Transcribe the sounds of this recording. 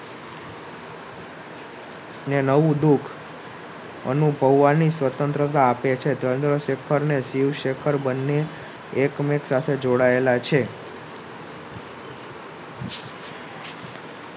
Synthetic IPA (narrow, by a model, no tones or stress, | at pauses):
nenəʋũd̪ukʰ | ə̰nubʱəʋːanisʋət̪ənt̪ɾət̪aapet͡ʃʰed̪ənd̪ɾəʃekʰəɾneʃiʋʃekʰəɾbənːeː | kmeksat̪ʰed͡ʒoɽaelat͡ʃʰe